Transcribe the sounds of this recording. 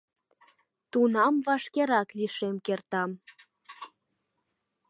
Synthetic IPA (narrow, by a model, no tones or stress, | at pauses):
t̪unɑmβɑʃkeɾɑkliʃemkert̪ɑm